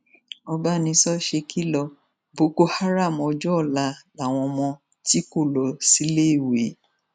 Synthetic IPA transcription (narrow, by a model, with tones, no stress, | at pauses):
ɔ˧ba˦nĩ˧sɔ˦ʃe˧kʰi˦lɔ˧ | bo˨˦ko˦ha˦ɾa˦˨mɔ˧d͡ʒɔ˦˨la˧la˨w̃ɔ̃˧mɔ̃˧ | ti˦ko˦˨lɔ˨si˨˦le˦i˨we˨˦